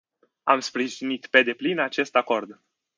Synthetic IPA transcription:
a̰mspɾiʒinit̪pe̞d̪e̞plinat͡ʃe̞st̪ako̞rd̪

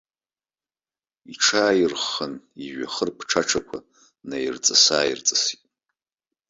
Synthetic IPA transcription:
iʈ͡ʂʰaːjɪrχəniʒᶣaχərpʰʈ͡ʂʰaʈ͡ʂʰakʷʰa | najrt͡sʼasaːjirt͡sʼasitʼ

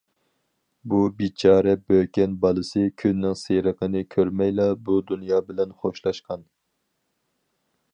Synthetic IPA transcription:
bubit͡ʃʰɑːɾɛbøkʲɛnbɑlˠɨsɨkʲʰynːɪŋseɾəqʰənɨkʲʰøɾmɛjlˠɑbud̪unjɑːbɪlɛnχoʃlˠɑʃqʰɑn

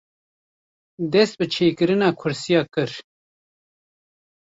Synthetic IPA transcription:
d̪ɛst̪̚bɨt͡ʃʰeːkɨɾɨnaːkʰʊɾsijaːkɨɾ

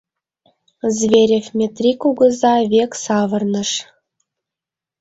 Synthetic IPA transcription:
zvʲeɾʲefʲmʲet̪rʲikuɡɤ̆zɑvʲeksɑvɤ̆rnɤ̆ʂ

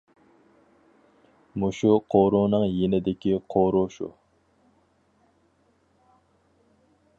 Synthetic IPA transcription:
muʃuqʰoɾunɨŋjenɪd̪ɪkʲiqʰoɾuʃṵ

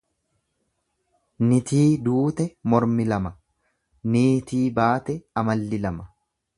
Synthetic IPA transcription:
nɪt̪iːd̪uːt̪ɛmɔɾmɪlɐmɐ | niːt̪iːbaːt̪ɛɐmɐlːɪlɐmɐ

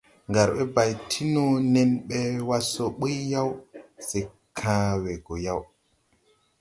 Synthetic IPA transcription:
ŋɡaɾɓɛbajtʰinɔnɛnɓɛwasɔɓəjːawsɛ | kʰaːwɛɡɔjaw

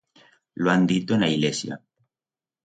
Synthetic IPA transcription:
loand̪it̪oenaiɣlesja̰

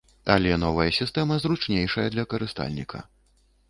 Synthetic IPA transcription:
ɐ̰lʲɛn̪ɔvɐjɐsʲist̪ɛmɐzɾut͡ʂnʲejʂɐjɐd̪lʲɐkɐɾɨst̪a̰lʲnʲikʰɐ̰

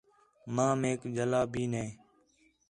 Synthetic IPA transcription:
mãːmeːkd͡ʒəlaːbʱiːnẽː

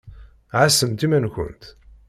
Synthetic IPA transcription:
ʕasəmt̪imænçʷə̰nt̪

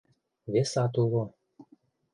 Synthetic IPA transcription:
βesɑt̪ulˠo

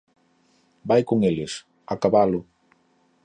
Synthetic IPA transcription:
bajkoŋelɪs | akaβalʊ

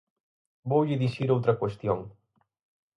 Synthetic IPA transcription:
bowʎɪðiʃiɾowt̪ɾɐkwest̪joŋ

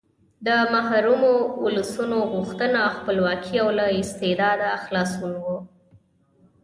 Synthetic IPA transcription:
d̪əmaɦɾumouləsunoɣuxt̪ənaxpəlwɑkʰiawlaɪst̪ed̪ɑd̪axlɑsunwo

